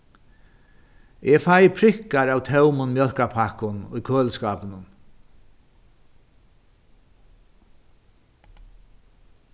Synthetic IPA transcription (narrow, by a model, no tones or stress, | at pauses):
ɛfajpʰɾɪhkaɹaːwt̪ʰɛwmʊnmjœl̥kapʰakʊnʊ̰jkʰøːlskaːpənʊn